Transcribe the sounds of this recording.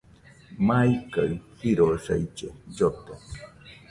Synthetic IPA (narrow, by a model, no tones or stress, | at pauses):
maika̰hiɾosa̰it͡ʃed͡ʒot̪e